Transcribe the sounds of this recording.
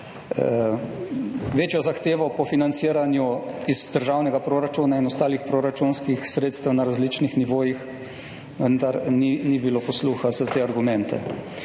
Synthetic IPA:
ʋeːt͡ʃjɔzaxt̪eːʋɔpɔfinant̪siəɾanjuizd̪əɾʒaːwnɛɡapɾoɾat͡ʃunainɔst̪aːlixpɾoɾat͡ʃunskixsɾeːt̪st̪ɛwnaɾazlit͡ʃnixniʋoːjix | ʋənd̪aɾninibiloːpɔsluːxazat̪eːaɾɡumɛ̃nt̪ɛ̰

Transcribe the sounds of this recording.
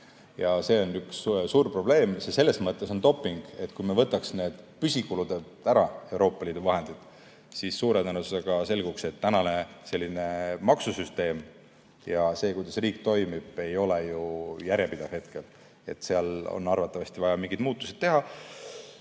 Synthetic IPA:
jɑse̞ːo̞nːykssuːrpro̞b̥le̞ːmsese̞lːe̞smɤt̪ˑːe̞so̞nt̪o̞pˑːiŋɡ̥e̞t̪ːkujmevɤ̞t̪ːˑɑksne̞ːd̪̥pysikulud̪ed̪æɾɑe̞uɾo̞ːpːˑɑliːd̪uvɑɦe̞nd̪̥id̪̥ | sisːuːɾenænuse̥ɑɡ̥ɑse̞lɡ̥ukse̞t̪ːænɑne̞se̞lʲːine̞mɑksusyst̪e̞ːm | jɑse̞ːkujd̪ɑsriːk̚t̪o̞jmib̥e̞jo̞lejujæɾjepid̪̥ɑv̥he̞t̪ke̞l | e̞̰t̪ːˑseɑlo̰nːɑrvɑt̪ːˑɑvɑst̪ivɑjɑmiŋɡid̪̥muːt̪ːˑusid̪̥̚t̪e̞ɦɑ

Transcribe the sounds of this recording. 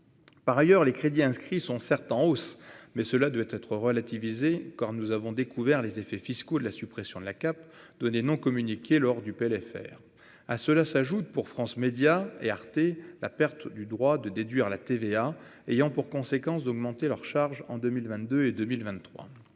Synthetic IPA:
paʁajœʁlekχed̪iɛ̃skχisɔ̃sɛʁt̪ɑ̃osmɛsəlad̪wɛt̪ɛt̪χəʁəlat̪ivizekaʁnuzavɔ̃d̪ekʰuvɛʁlezefɛfiskod̪əlasypχesjɔ̃d̪əlakap | d̪̥ɔnenɔ̃kɔmynikʲʰelɔʁd̪ypeɛlɛfɛ̰ːʁ | asəlasaʒut̪̚puʁfχɑ̃smed̪jaeaʁt̪ela̰pɛʁt̪d̪yd̪ʁwad̪əd̪ed̪ɥiʁlat̪evea | ejɑ̃puʁkɔ̃sekɑ̃sd̪ɔɡmɑ̃t̪elœʁʃaʁʒɑ̰̃d̪ømilvɛ̃t̪d̪øed̪ømilvɛ̃nt̪ːχwa̰

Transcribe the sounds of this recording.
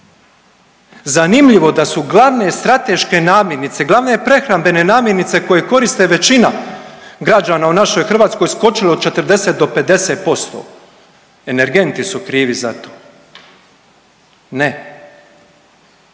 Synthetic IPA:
zanimʎiʋo̞d̪asuɡlˠaʋne̞st̪ɾat̪e̞ʃke̞naːmje̞ɾnit̪se̞ɡlˠaʋnepɾe̞xɾambe̞ne̞naːmjeɾnit̪se̞ko̞jeko̞ɾist̪e̞ʋe̞t͡ɕinaɡɾad͡ʒaːnaunaʃo̞jxr̩ʋaːt̪sko̞jsko̞t͡ʃileo̥t͡ʃe̞t̪əɾ̩d̪e̞set̪̚d̪o̞pe̞d̪e̞set̪̚po̞st̪o̰ | e̞ne̞ɾɡe̞nt̪isukɾiːʋizat̪o̥ː | ne

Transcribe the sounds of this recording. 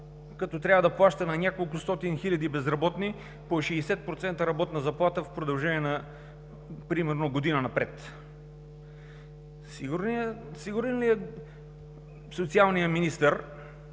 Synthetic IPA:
kɐt̪ɔt̪ɾʲavɐd̪ɐplˠaʃt̪ənɐnʲakolˠkʊst̪ɔt̪inxilʲɐd̪ibɛzɾɐbɔt̪ni | poʃɛːsɛt̪̚pɾot̪sɛnt̪əɾɐbɔt̪nɐzɐplˠat̪əfpɾod̪ɐlˠʒɛniɛnɐ | pɾimɛɾnoɡod̪inənɐpɾɛt̪ | siɾsiɡʊɾɛnliɛ | sot̪sialˠnijəminist̪əɾ

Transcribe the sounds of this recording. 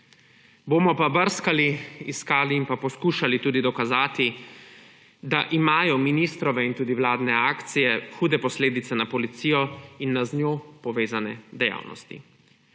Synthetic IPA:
boːmɔpabəɾskaliiskaːliːnpapɔskuːʃalit̪uːd̪id̪ɔkazaːt̪i | d̪aʔimaːjɔminist̪ɾɔʋɛint̪uːd̪iwlaːd̪nɛaːkt̪sijɛxuːd̪ɛpɔsleːd̪it̪sɛnapɔlit̪siːjɔinːaznjoːpɔʋeːzanɛd̪ɛja̰ːwnɔ̰st̪ḭ

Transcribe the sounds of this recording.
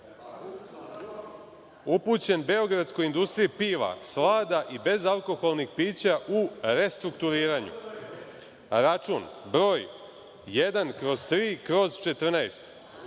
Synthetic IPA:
uput͡ɕe̞nbe̞o̞ɡɾad̪sko̞jind̪ust̪ɾijipiːʋa̰slaːd̪aʔibe̞zalˠko̞xolˠnixpiːt͡ɕaʔuɾe̞st̪ɾukt̪uɾiːɾaɲṵ | ɾat͡ʃuːnbɾo̞ːj | je̞d̪ankɾo̞zt̪ɾiːkɾo̞zt͡ʃe̞t̪r̩naest̪

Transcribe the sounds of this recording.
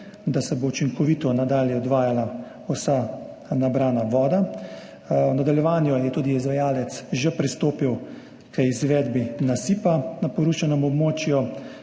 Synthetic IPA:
d̪asɛbout͡ʃiŋkɔʋiːt̪ɔnad̪aːljɛɔd̪ʋaːjala | usa | nabɾaːnaʋɔːd̪a | wnad̪aljɛʋaːnjɔjɛt̪uːd̪iizʋajaːlɛt̪sʒɛpɾist̪oːpiw | kəizʋɛːd̪binasiːpanapɔɾut͡ʃanɔmɔbmoːt͡ʃju

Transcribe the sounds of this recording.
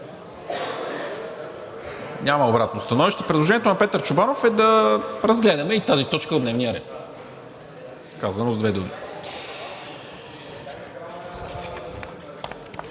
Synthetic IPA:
ɲʲamɐobɾat̪̚nost̪ɐnɔviʃt̪ɛpɾɛd̪lˠoʒɛnɛt̪onɐpɛt̪əɾt͡ʃʊbanofɛd̪ɐɾɐzɡlɛd̪ɐmɛit̪azit̪ɔt͡ʃkəod̪nɛvnijəɾɛ̰t̪ | kazɐnozd̪vɛd̪umḭ

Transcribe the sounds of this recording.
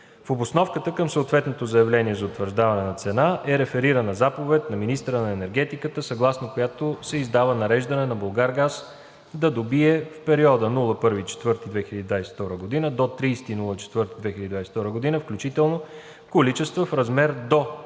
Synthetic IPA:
fobosnɔfkət̪əkəmsəot̪vɛt̪not̪ozɐɛvlɛniɛzɐot̪vəɾʒd̪avɐnɛnɐt̪sɛnaʔɛɾɛfɛɾiɾənəzapovɛt̪nɐminist̪əɾənɐɛnɛɾɡ̟ɛt̪ikət̪əsɐɡlˠasnokojat̪osɛizd̪avənɐɾɛʒd̪ənɛnɐbolˠɡaɾɡas | d̪ɐd̪obiɛfpɛɾiɔd̪ənulˠəpɤɾvit͡ʃɛ̥t̪vɤɾt̪id̪vɛxiləd̪id̪vajsɛ̥ft̪ɔɾəɡod̪inəd̪ot̪ɾijsɛ̥t̪inulˠət͡ʃɛ̥t̪vɤɾt̪id̪vɛxilʲəd̪id̪vajsɛ̥ft̪ɔɾəɡod̪inəfklʲut͡ʃit̪ɛlˠno | kolit͡ʃɛst̪vəfɾɐzmɛɾd̪o

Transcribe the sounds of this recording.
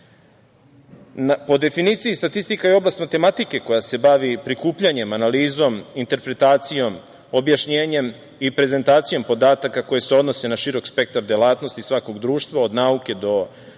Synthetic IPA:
napo̞d̪e̞finiːt̪sijist̪at̪ist̪ikaio̞blast̪mat̪e̞mat̪ike̞ko̞jase̞baʋipɾikuːpʎaɲe̞manaliːzo̞mint̪e̞ɾpɾe̞t̪aːt̪sijo̞m | objaʃɲeːɲe̞m | ipɾe̞ze̞nt̪aːt̪sijo̞mpo̞d̪aːt̪akako̞je̞seo̞d̪no̞se̞naʃiɾo̞kspe̞k̚t̪aɾd̪elˠaːt̪no̞st̪isʋako̞ɡd̪ɾuːʃt̪ʋao̞d̪nauke̞d̪o̞

